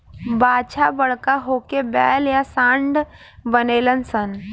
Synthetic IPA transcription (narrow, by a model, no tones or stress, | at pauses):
baːt͡ʃʰabəɽkaɦoːkebɛːljasãːɳɖ | bəneːlənsən